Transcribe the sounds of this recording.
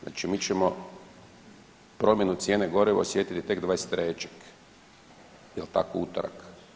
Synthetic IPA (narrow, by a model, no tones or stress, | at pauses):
zna̰ːt͡ʃimiːt͡ɕemo̞ | pɾo̞mje̞nut̪sʲje̞ːneɡo̞ɾeʋeo̰sje̞t̪it̪it̪eɡd̪ʋaːest̪ɾeːt͡ʃḁk | jelt̪a̰kout̪oɾa̰k